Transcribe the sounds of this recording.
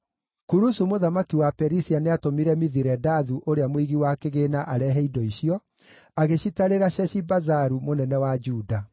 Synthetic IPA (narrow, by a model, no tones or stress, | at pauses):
kuɾusumoðamakiwapɛɾisianeatomiɾɛmiðiɾɛdaðuʔoɾeamwiɣiwakeɣeːnaʔaɾɛɦɛidɔiɕijɔ | aɣeɕitaɾeɾaɕɛɕibazaɾumonɛnɛwad͡ʒuːda